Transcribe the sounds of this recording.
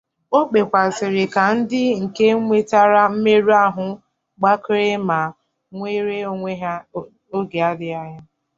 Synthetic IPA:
o˦k͡pe˨kʷa˨sɪ˨ɾɪ˨ka˨n̩˦dɪ˦ŋ̩˨ke˦ŋʷe˦ta˦ɾa˦m̩˦me˦ɾu˦a˦ɦʊ˨ | ɡ͡ba˦kɾe˦ma˨ | ŋʷe˦ɾe˦o˦ŋʷe˦ɦ | o˦ɡe˨a˦dɪ˦a˦ɲa˦

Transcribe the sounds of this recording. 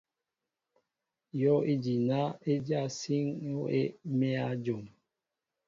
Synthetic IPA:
jɔ˦e˦d͡ʒi˨na˦e˦d͡ʒa˦˨si˦ŋjo˦e˦me˦a˦d͡ʒo˨ŋ

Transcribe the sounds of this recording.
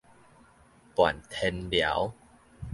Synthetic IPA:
pwa̰˨˩nt̪ʰe˧nlja̰˨˦w

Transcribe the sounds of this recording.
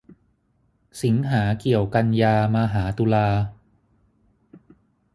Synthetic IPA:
si˩˦ŋɦaː˩˦ki˨˩əwka˧njaː˧maː˧ɦaː˩˦t̪u˧laː˧

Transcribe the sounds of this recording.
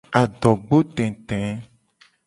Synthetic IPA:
a˨ɖɔ˨ɡ͡bo˦t̪ɛ̃˨t̪ɛ̃˨˦

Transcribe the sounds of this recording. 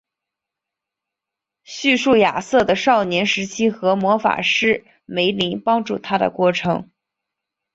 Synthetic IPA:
ɕy˥˧ʂu˥˩ja˨˩sɤ˥˩d̪ə˩ʂɑ˥˩ʊnjɛ˧˥nʂɻ̩˧˥t͡ɕʰi˥xɤ˧˥mwɔ˧˥fa̰˨˩ʂɻ̩˥˩ | me˧˥ɪli˧˥ŋpɑ˥ŋʈ͡ʂu˥˩t̪ʰa˥d̪ə̰˨kwɔ˥˩ʈ͡ʂʰɤ˧˥ŋ

